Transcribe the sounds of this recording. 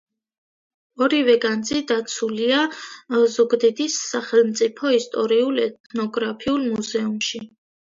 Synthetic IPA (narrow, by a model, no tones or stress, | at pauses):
ɔɾivɛɡand̪zid̪at̪sʰulia | zɔɡd̪ɛd̪isːaχɛlˠmt̪sʼipʰɔist̪ʼɔɾiulˠɛt̪̚ʰnɔɡɾapʰiulˠmuzɛumʃi